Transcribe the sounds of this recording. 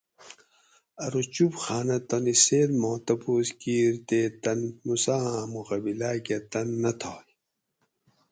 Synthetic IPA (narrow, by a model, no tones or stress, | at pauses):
ɐɾut͡ɕubxaːnɐt̪ɐniseːlmõːt̪ɐbuːskiːɾt̪et̪ɐnːusaãmuɣɐbilaːket̪ɐnːɐt̪ʰaːj